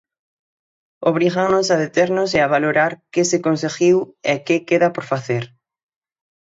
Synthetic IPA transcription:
oβɾiɣaŋnosaðet̪eɾnoseaβaloɾaɾkɪsekonseɣiwekekeðapoɾfaθeɾ

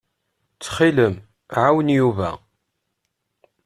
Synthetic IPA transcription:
t͡sːχiləm | ʕawənjuvæ̰

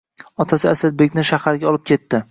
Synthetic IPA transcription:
ɒt̪ʰasɪasad̪̚be̞kʲnɪʃahaɾɡʲaɒlˠɪp̚kʲʰe̞t̪ːɪ

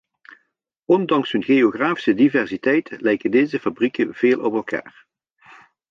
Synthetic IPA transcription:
ɔndɑŋsɦɵnɣejoɣraːfi̥sədivɛrsitɛjtəlɛjkəndejzəfabrikəv̥eːlˠʔɔpɛlˠka̰ːr

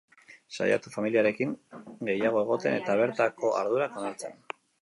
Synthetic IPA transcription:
sa̰ja̰t̪ufamiliaɾe̞kiŋɡe̞jaɣ̞o̞e̞ɣ̞o̞t̪e̞ne̞t̪aβ̞e̞ɾt̪ako̞ʔa̰ɾðuɾakonalt͡sen

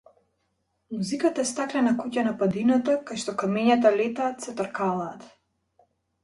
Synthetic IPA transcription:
muzikat̪aɛst̪aklɛnakucanapad̪inat̪akajʃt̪ɔkamɛɲat̪alɛt̪aːt̪sɛt̪ɔɾkalˠaːt̪

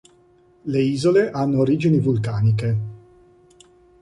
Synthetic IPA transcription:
leiːzoleʔanːoːɾiːd͡ʒinivulkaːnike

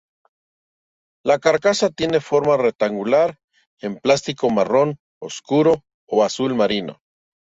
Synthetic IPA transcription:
lakaɾkasat̪je̞nefoɾmarek̚t̪aŋɡulaɾ | emplast̪iko̞maron | o̰skuɾo̞ː | asulmaɾino̰

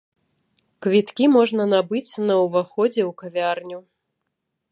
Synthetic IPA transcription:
kvʲit̪kʲimɔʐnɐnabɨt͡sʲnɐwvaxɔd͡zʲɛwkavʲarnʲu

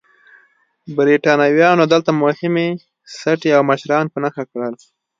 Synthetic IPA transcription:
bɾiʈɑnɑwjɑnod̪əlt̪amʊhɪme | saʈeawmaʃɾɑnpənaxakɽəl

